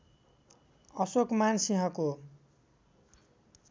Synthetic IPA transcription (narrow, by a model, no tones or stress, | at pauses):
ʌsokmansiɦʌ̃ko